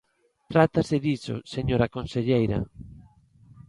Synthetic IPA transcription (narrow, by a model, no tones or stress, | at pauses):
t̪ɾat̪asɪðit͡ʃo̰seɲoɾakonseʎejɾa̰